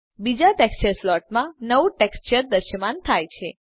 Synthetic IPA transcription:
bid͡ʒaʈekst͡ʃəɾslɔʈ̚mãnəʋuʈekst͡ʃəɾd̪əɾʃəmant̪ʰajt͡ʃʰe

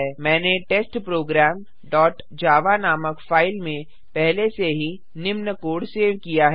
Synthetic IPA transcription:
mɛ̃ːneʈeːsʈpɾoːɡɾɛːm | ɖɔːʈ | d͡ʒaːʋanaːməkfaːɪlmẽ | pɛɦleseɦi | nɪmnəkoːɽseːʋkijaɦɛ

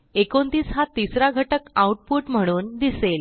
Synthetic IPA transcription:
ekont̪iːsɦat̪isɾaɡʱəʈəkauʈ̚puːʈm̤əɽ̃uːnd̪isel

